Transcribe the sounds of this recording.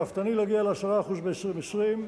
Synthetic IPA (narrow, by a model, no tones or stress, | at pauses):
aft̪anileaɡialeasaʁaːχuzbeesʁimesʁim